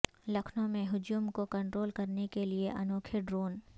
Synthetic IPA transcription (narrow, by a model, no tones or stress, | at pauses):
lɐkʰnõmẽɦʊd͡ʒuːmkokɐ̃ɳʈɾoːlkɐɾnekelieʔɐnoːkʰeɖɾoːn